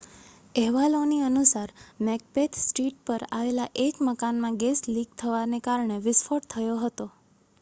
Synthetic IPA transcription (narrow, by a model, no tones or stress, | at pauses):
ɛɦʋaloniənusaɾmɛk̚pet̪ʰsʈiʈ̚pəɾaʋelaʔed͡ʒməkanmãɡesliɡ̚t̪ʰəʋanekaɾɳeʋɪsfʰoʈt̪ʰəjoɦət̪o